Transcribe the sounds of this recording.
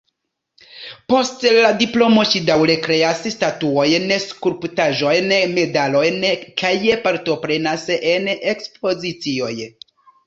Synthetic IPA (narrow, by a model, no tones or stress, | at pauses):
po̞stladiplo̞mo̞ʃidawɾe̞kɾe̞asstatuojnskulptaʒo̞jnme̞dalo̞jnkajepaɾto̞pɾe̞nasene̞ksp̚o̞zit͡sio̞j